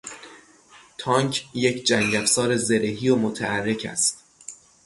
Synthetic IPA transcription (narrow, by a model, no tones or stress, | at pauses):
t̪ʰɒŋkʰje̞cʰd͡ʒæŋɟæfsɒːɾeze̞ɾeɦiːomot̪ʰæærːe̞cʰæ̰st̪